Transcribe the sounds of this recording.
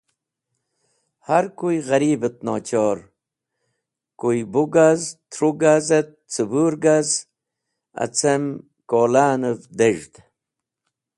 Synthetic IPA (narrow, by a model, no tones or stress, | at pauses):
haɾkujɣɐɾiːbet̪̚noːt͡ɕoːɾ | kujbuɡazt̪ʰɾuɡazet̪̚t͡sɨbuːɾɡaz | ɐ̰t͡sem | koːlaːnəvd̪eʐt̪